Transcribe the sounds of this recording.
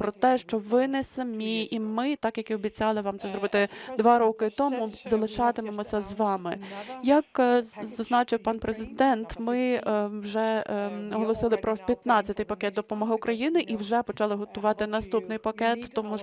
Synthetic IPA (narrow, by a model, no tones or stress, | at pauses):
pɾɔt̪ɛʃt͡ʃɔʋɪnɛsɐmʲiimɪt̪ɑkjɐkiɔbʲit͡sʲɑlˠɪʋɑmt̪sɛzɾɔbɪt̪ɪd̪ʋɑɾɔkɪt̪ɔmʊzɐlˠɪt͡ʃɑt̪ɪmemɔsʲɐzʋɑmɪ̰jɐkzɐznɑt͡ʃɪwpɑnpɾezɪd̪ɛnt̪mɪwʒɛɔɦɔlˠɔsɪlˠɪpɾɔpʲjɐt̪nɑt͡sʲːɐt̪ɪjpɐkɛt̪̚d̪ɔpɔmɔɦɪʊkɾɐjinɪʔiwʒɛpɔt͡ʃɑlˠɪɦɔt̪ʊʋɑt̪ɪnɐst̪upnɪjpɐkɛt̪ːɔmu